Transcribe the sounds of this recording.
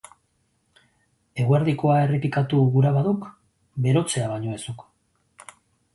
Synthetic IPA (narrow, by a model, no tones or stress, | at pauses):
e̞ɣueɾðiko̞ae̞ripikat̪uɣuɾaβaðuk | be̞ɾo̞t͡se̞aβaɲo̞e̞suk